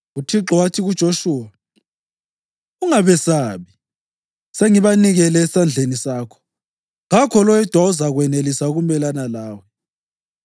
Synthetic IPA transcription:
utʰiǁɔwatʰiɣud̥ʒ̥ʱoʃuːwa | uŋaβɛsaːβi | seŋiβaniɣɛlɛːsand͡ɮʱenisaːkʰɔ̥ | ɣakʰɔlɔjɛd̥ʱwauzaɣwɛnelisauɣumɛlanalaːwɛ

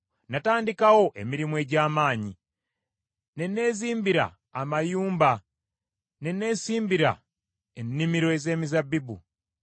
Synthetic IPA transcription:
nataːndikawo̞ʔe̞miɾimwe̞ɟaːmaːɲi | ne̞ne̞ːziːmbiɾa̰ː | majuːmba | ne̞ne̞ːsiːmbiɾa̰ | enːimiɾo̞eze̞ːmizabibu

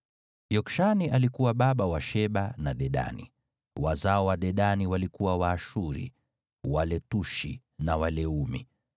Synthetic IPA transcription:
jɔkʃaniʔalikuwaɓaɓawaʃɛɓanaɗɛɗa̰nḭ | wazaɔwaɗɛɗaniwalikuwawaːʃuɾḭ | walɛtuʃḭ | nawalɛumḭ

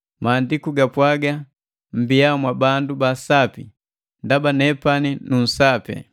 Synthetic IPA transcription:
maːndikuɡapwaɡa | m̩bijaɔmwabandubasapḭ | ndabanɛpaninun̩sapɛ̰

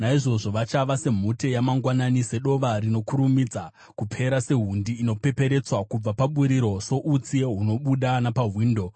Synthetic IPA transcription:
naiʐo̞ʐo̞ʋat͡ʃaʋase̞m̤utejamaŋɡwananise̞ɗo̞ʋarino̞kuɾumid͡za | kupʰe̞ɾase̞ɦundiːno̞pe̞pe̞ɾe̞t͡swakub͡vapaɓuɾiɾo̞so̞ʔut͡sieɦuno̞ɓuɗanapaɦwiːndo̞

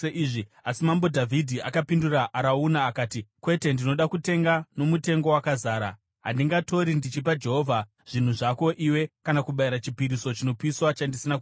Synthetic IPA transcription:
eʔiːʐiasimambo̞dʱavʱidʱiakapinduraʔaɾaunaːkaːtikwe̞te̞ndino̞ɗakute̞ŋɡano̞mute̞ŋɡo̞wakazaːɾa̰ | ɦa̰ndiŋɡato̞ɾindit͡ʃipad͡ʒe̞ɦo̞ːvʱa | ʐ̥in̤uʐako̞ʔiwe̞kanakuɓaiɾat͡ʃipiɾiso̞t͡ʃino̞piswat͡ʃandisinaku

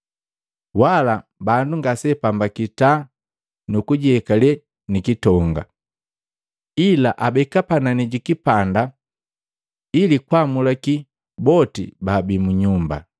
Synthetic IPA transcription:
walabanduŋɡasɛpambakita | nukuɟiɛkalɛ | nikitɔŋɡa̰ | ilaʔabɛkapananiɟikipanda | ilikwamulaki | bɔtḭbabimuɲumba̰

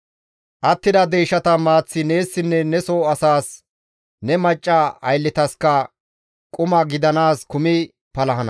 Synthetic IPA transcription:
ʔɐt̪ːɪd̪ɐd̪ejːʃɐt̪ɐmaːt͡sːɪne̞ːsːɪnːɛnɛsoːɐsaːs | nɛmɐt͡ʃʼːɐɐjlːɪt̪ɐskɐ | kʼʊmɐɡɪd̪ɐnaːskʊmɪ | pɐlɐɦɐnɐ

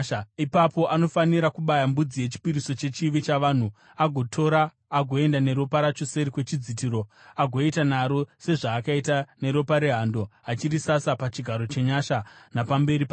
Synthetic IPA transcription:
ipapo̞ʔano̞faniɾakuɓajambud͡zijet͡ʃi̥piɾiso̞t͡ʃe̞t͡ʃiʋet͡ʃaʋaːn̤u | aɡʱo̞tʰo̞ɾaː | ɡʱo̞e̞ndaneɾo̞paɾat͡ʃo̞se̞ɾikwe̞t͡ʃid͡zitiɾo̞aɡʱo̞itanaɾo̞se̞ʐaːkaitane̞ɾo̞paɾeɦando̞at͡ʃiɾisasapat͡ʃiɡʱaɾo̞t͡ʃe̞ɲaʃanapambe̞ɾipa

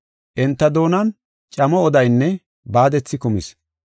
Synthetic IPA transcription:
ʔɛnt̪ːɐd̪o̞ːnɐn | t͡ʃʼɐmɔːd̪ɐjnːɛ | baːd̪ɛt͡sːɪkʊmɪ̰s

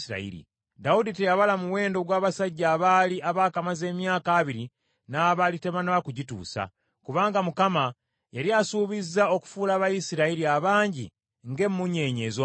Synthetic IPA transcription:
siɾa̰ḭɾḭ | dauditejaβalamuwe̞ːndo̞ɡwaːβasaɟːaːβaːliaβaːkamaze̞ːmjaːkaːβiɾi | naːβalite̞βanaβakuɟitṵːsa̰ | kuβaːŋɡamukama | jaɾiasuːβizːao̞ku̥fuːlaːβajisiɾaiɾiaβaːɲɟḭ | ŋɡe̞mːuɲe̞ːɲe̞ːzo

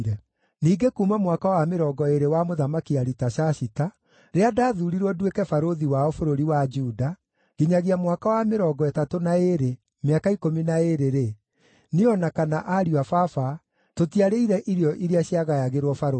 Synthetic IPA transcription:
ɾɛ | niːɡekumamwakawameɾɔːɡɔeɾewamoðamakiaɾitaʃaʃita | ɾeadaːðuɾiɾwɔdwekɛfaɾoðiwaɔfoɾoɾiwad͡ʒuda | ɣ̥iɲaɣiamwakawameɾɔːɡɔɛtatonaeɾe | meakaikominaeɾeɾe | neɔnakanaʔaɾiwafafa | totiaɾeiɾɛʔiɾeɔʔiɾeaɕjaɣajaɣeɾwɔfaɾo

